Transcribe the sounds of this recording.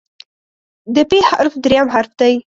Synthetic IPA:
d̪əpexaaɾfd̪ɾjamɦaɾfd̪aj

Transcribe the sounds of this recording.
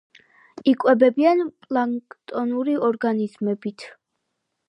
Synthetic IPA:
ikʼwɛbɛbianpʼlˠaŋkʼt̪ʼɔnuɾiɔɾɡanizmɛbit̪ʰ

